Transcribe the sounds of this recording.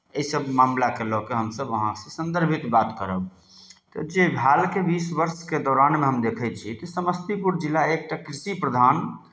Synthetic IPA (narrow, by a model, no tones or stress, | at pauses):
əisəbmamlakelɔkeɦəmsəbəɦãksẽsə̃nd̪əɾbʱit̪bat̪kəɾəb | t̪ɔ̰d͡ʒebʱalkebisbəɾsked̪ɔɾanmeɦəmd̪ekʰɛt͡ʃʰit̪ɔsəməst̪ipuɾd͡ʒilːaek̚ʈakɾisipɾəd̪ʱan